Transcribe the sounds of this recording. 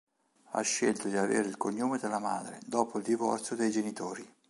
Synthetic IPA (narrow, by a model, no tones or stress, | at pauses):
a̰ʃːelt̪od̪iavḛːɾeilkoɲːoːmed̪elːamaːd̪ɾḛd̪ɔːpoild̪ivɔrt̪sjod̪ejd͡ʒenit̪oːɾi